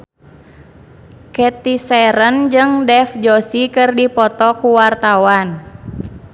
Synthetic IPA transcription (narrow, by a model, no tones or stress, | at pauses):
kɛt̪isɛɾənd͡ʒɨŋdɛfd͡ʒɔsikɨrdipɔt̪ɔkuwart̪awan